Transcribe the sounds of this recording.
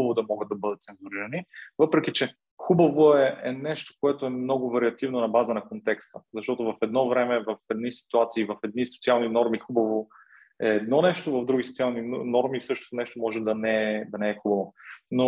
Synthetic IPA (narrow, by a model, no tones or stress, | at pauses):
vod̪ɐmɔɡəd̪̚ɐbɤd̪ət̪̚sɛnzʊɾiɾɐnivɤpɾɛkit͡ʃɛ | xubɐvoɛɛnɛʃt̪o̥koɛt̪oɛmnɔɡʊvɐɾiɐt̪ivnonɐbazənɐkont̪ɛkst̪əzɐʃt̪ɔt̪ʊvɐfɛd̪nɔvɾɛmɛvɐfɛd̪̚nisi̥t̪uat̪siːvɐfɛd̪niso̥t̪sialˠninɔɾmixubɐvo | ɛːd̪nɔnɛʃt̪ovɐvd̪ɾuɡʲisot̪sialˠninɔɾmiːsɤʃt̪ot̪nɛʃt̪omɔʒɛd̪ɐnɛɛd̪ɐnɛɛxubɐvono